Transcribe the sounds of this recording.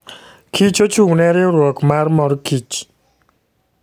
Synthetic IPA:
kʰit͡ʃot͡ʃunɛɾeɾwɔkmaɾmɔɾkit͡ʃ

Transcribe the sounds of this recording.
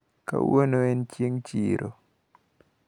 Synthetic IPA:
ka̰wonoɛnt͡ʃiŋt͡ʃiɾʔo

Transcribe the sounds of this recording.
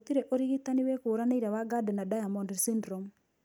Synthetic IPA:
t̪iɾɛʔoɾiɣit̪anɪwɛkoːɾaneiɾawaɡadɛnadajamɔndɛsindɾɔm

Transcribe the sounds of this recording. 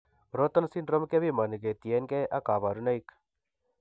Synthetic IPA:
ɾot̪ənsinɖɾəmkebimɐnɡet̪ijenkeʔɐkaːbaɾunɐik

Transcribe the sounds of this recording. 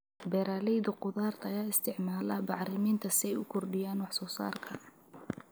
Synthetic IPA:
bɛɾaːlɛjd̪ʊqʊðaːrt̪ʰɐjaːɪst̪ʰɪʕmaːlɐbɑʕrɪmiːnt̪ʰɐsɪɛjʊkʰɔrɖɪjaːnwɑħsɔːsa̰ːrkʰɐ̰

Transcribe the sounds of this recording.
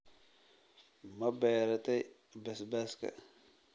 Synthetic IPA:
mabajaɾataj | basbaska̰

